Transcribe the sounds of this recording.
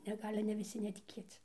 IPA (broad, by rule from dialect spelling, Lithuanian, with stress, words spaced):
nʲɛ ˈɡɑːlʲɪ nʲɛ ʋʲɪˈsʲɪ nʲɛtʲɪˈkʲeːt͡s